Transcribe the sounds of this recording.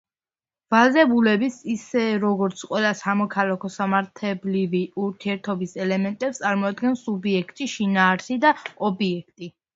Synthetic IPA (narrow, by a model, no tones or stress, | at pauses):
vald̪ɛbulɛbisisɛɾɔɡɔɾt̪sʰqʼwɛlasamɔkʰalakʰɔsamaɾt̪ʰɛbliviuɾt̪ʰiɛɾt̪ʰɔbisɛlɛmɛnt̪ʼɛpst̪sʼaɾmɔad̪ɡɛnsubiɛkʰt̪ʼiʃinaːɾsid̪aɔbiɛkʰt̪ʼi